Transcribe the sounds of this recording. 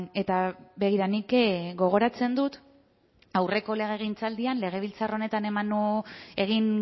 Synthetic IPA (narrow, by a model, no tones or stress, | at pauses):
e̞t̪aβe̞ɣiɾanikɡo̞ɣ̞o̞ɾat͡se̞nd̪ut̪ | awre̞ko̞le̞ɣe̞ɣ̞int͡sald̪ianle̞ɣ̞eβ̞ilt͡saro̞ne̞t̪ane̞mane̞ɣ̞iŋ